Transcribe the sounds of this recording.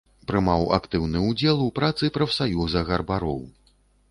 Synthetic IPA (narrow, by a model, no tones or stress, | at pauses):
pɾɨmawa̰kt̪ɨwnɨud͡zʲɛlˠupɾat̪sɨpɾɐfsajuzɐɣɐrbaɾɔ̰w